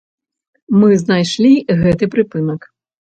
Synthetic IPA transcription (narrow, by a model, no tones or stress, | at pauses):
mɨzn̪ajʂlʲiɣɛt̪ɨpɾɨpɨnɐk